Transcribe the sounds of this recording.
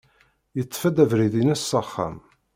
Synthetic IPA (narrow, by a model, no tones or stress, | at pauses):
jət͡sːfæd̪ævɾiðinæsːəχːæ̰m